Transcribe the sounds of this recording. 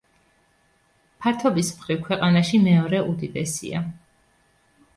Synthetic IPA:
pʰaɾt̪ʰɔbismχɾifkʰwɛqʼanaʃimɛɔɾɛʔud̪id̪ɛsḭa̰

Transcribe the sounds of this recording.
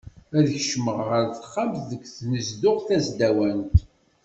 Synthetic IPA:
æðəçʃməʁʁəɾθχamθðəkʷːθnəzd̪ʊʁθæzd̪æwænt̪

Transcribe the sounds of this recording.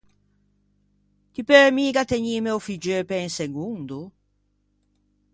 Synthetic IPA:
t̪ipeɾmiɡat̪eɲimeofid͡ʒøpɛinseɡund̪u

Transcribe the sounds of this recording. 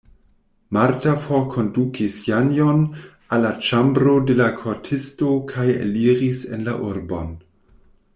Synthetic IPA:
maɾtafokʰo̞ndukʰisjanjon | alːat͡ʃambɾo̞de̞lakʰotʰistokʰajḛliʁisenla̰ʔuɾbo̞̰n

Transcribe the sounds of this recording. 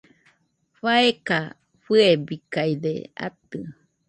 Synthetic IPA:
ɸaeka | ɸɨebikajd̪ḛa̰t̪ɨ

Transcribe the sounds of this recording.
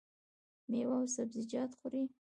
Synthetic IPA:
mewawsabzɪd͡ʒɑt̪χʊɾi

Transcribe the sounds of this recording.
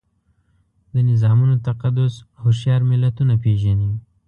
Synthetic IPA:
d̪ənɪzɑmunot̪aqad̪ʊshoʃjɑɾmɪlat̪unapeʒani

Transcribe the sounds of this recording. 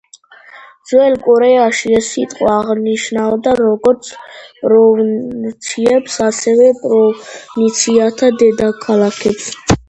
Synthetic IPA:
d̪zwɛlkʼɔɾɛaʃiɛsit̪ʼqʼɔaʁniʃnavd̪aɾɔɡɔɾt̪sʰpʼɾɔt̪sʰiɛpsasɛvɛpʼɾɔnit̪sʰiat̪ʰad̪ɛd̪akʰalakʰɛps

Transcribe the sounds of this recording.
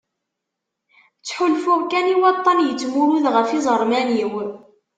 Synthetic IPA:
t͡sːħulfʊʁkæniwɑt̪ˤːɑnjət͡sːmʊɾuðʁəfizˤəɾˤmæniw

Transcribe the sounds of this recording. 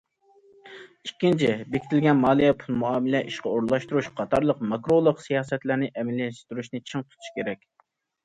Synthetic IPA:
ikʲːint͡ʃʰɪbekʲʰit̪ʰɪlɡʲɛnmɑːlˠijɛpʰulˠmuɑːmɪlɛʔiʃqɑoɾlˠɑʃt̪uɾuʃqʰɑt̪ʰɑɾlˠəqmɑkɾolˠəqsijɑːsɛt̪læɾnɪʔɛmɛlɛʃt̪yɾuʃnɪt͡ʃʰɨŋt̪ʰu̥t̪ʰu̥ʃkʲeɾɛkʲ

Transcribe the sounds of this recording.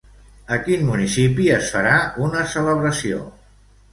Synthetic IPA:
əkinmunisipiəsfəɾaunəsələβɾəsio̰

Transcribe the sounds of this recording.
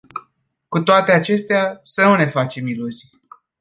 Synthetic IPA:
kut̪oat̪e̞at͡ʃe̞st̪easənune̞fat͡ʃe̞miluzij

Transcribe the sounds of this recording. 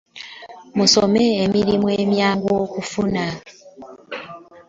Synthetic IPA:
musome̞ːmiɾimue̞ːmjaːŋɡokufuna

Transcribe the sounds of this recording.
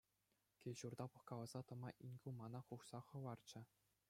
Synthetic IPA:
kʲelʲʑurd̪ɑpɤ̆χkɑlˠɑzɑt̪ɤ̆mɑʔinʲɡʲumɑnɑχuʂsɑχɤ̆ʋɑrt͡ɕɘ̆

